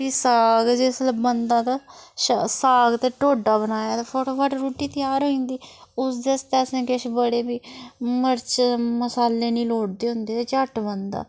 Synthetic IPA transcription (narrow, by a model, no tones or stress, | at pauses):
iːsaːɡd͡ʒeːsləbənd̪ãːt̪aːʃsaːɡt̪eːʈoːɖaːbənaːjaːt̪epʰoːʈoːbaːʈɾuːʈiːt̪ɪjaːɾoːĩːnd̪iːʊsd̪eəst̪eːsẽːkɪʃbəɽeːbiːməɾt͡ʃməsaːleːnĩːloːɽd̪eːɦʊ̃nd̪eːt̪eːt͡ʃəʈbənd̪a̰ː